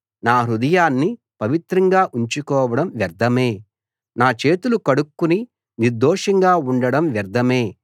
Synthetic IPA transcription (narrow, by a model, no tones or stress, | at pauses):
naːɾud̪ɐjaːnːi | pɐʋit̪ɾɐŋɡaːʔuɲt͡ʃukɔːʋɐɽɐmʋɐɾd̪ʱɐme̞ː | naːt͡ʃe̞ːt̪ulukɐɽukːuni | niɾd̪ɔːʂɐŋɡaːuɳɖɐɽɐmʋɐɾd̪ʱɐme̞ː